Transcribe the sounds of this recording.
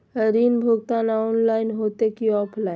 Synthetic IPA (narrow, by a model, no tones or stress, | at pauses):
ɦəɾiːnbʱuɡ̚t̪anaʊnlaːɪnɦot̪ekiɔːpʰlaːɪ